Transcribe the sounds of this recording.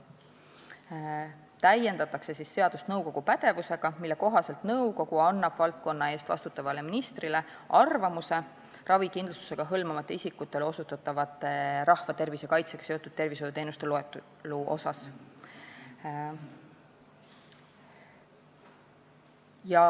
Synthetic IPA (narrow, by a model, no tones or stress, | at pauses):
t̪æje̞nd̪ɑt̪ːˑɑkse̞sisːe̞ɑd̪̥ust̪nɤwko̞ɡ̥upæd̪e̞vuse̞ɡ̥ɑmilːe̞ko̞ɦɑse̞lt̪nɤuko̞ɡ̥uɑnːɑb̥vɑlt̪̚ko̞nːɑe̞ːst̪vɑ̰st̪ut̪ːˑɑvɑle̞minist̪rile̞ | ʔɑrvɑmuse̞ | rʔɑvikind̪lust̪u̥se̞ɡ̥ɑɦɤlmɑmɑt̪ːˑeisikːut̪ːˑelo̞sut̪ːˑɑt̪ːˑɑvɑt̪ːˑeɾɑhvɑt̪e̞rvise̞kɑjt̪se̞ɡ̥ɑ̥se̞o̞t̪ːˑud̪̥̚t̪e̞rvisojut̪e̞ːnust̪ele | luʔo̞̰sɑs | jɑ